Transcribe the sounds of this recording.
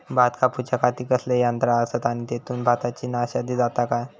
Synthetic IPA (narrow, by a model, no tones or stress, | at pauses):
bʱat̪kʰaput͡ɕakat̪iːkəslejant̪ɾaəsət̪aɽ̃it̪et̪uːnbʱat̪at͡ɕiːnaɕad̪ʱiːd͡zat̪akaj